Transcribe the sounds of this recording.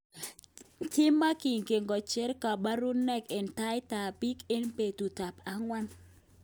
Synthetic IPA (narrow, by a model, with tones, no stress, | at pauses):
tɪ˦mːa˦ki˨ŋɡe˨ŋɡɔ˨t͡ʃe˦ɾka˨ba˦ɾu˦nːɛ˦ke˨nta˦jta˨pi˦ke˦npe˨tu˨ta˨pa˦ŋwa˦n